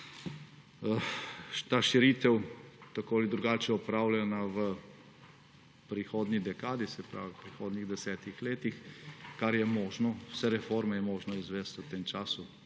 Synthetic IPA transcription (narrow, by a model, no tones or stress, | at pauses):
t̪aːʃiɾit̪ɛwt̪akoːalid̪ɾuɡaːt͡ʃɛɔpɾaːwlanaʋə | pɾixoːd̪nid̪ɛkaːd̪isɛpɾa̰ːʋipɾixoːd̪niɣd̪ɛsɛːt̪ixleːt̪ixkaɾjɛmɔːʒnɔwsɛɾɛfoːɾmɛjɛmɔːʒnɔizʋɛst̪ət̪eːmt͡ʃaːsu